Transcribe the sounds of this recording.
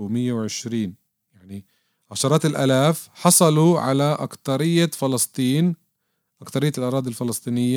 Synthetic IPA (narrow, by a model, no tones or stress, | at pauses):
wmɪjːawʕɪʃɾiːn | jaʕni | ʕaʃɑɾˤɑːt̪ɪlʔa̰ːlaːfħɑsˤɑluʕa̰laʔa̰kt̪ɑɾɪjːafɪlɑst̪ˤiːn | ʔakθɑɾɪjːalʔɑɾˤɑːd̪ˤilfɪlɑsˤt̪ˤiːnɪjːa